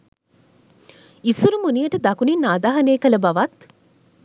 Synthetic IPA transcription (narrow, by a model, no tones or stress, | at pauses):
isuɾumunijɐʈɐd̪ɐkuninːaːd̪aːɦɐneːkɐlɐbɐʋɐt̪